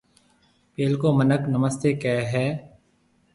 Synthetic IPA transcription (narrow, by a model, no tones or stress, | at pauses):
peːlkoːmənəknəməst̪eːkɛːɦɛː